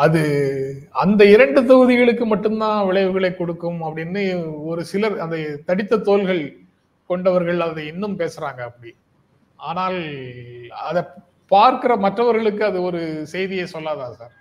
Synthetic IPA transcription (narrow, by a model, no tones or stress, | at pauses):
ɐðɯ | ɐnd̪ɐɪɾɐɳɖɯt̪̬ɐɣɯðɪɣɐɭɯkːɯmɐʈːɯmt̪ãːʋɪɭɐɪʋɯɣɐɭeɪkːɔɽɯkːɯmɐpːɐɽɪnːɯɔɾɯsɪlɐɐnd̪ɐt̪ɐɽɪt̪ːɐt̪ːoːlɣɐɭ | kɔɳɖɐʋɐɾɣɐɭɐðɯɪnːɯmpeːsɯɾaːŋɡɐːpːɐɽi | aːnaːl | ɐðɐ | paːɾkɯɾɐmɐʈrɐʋɐɾɣɐɭɯk̬ːɯɐðɯɔɾɯsɛjðɪjesɔlːaːðaːsaːɾ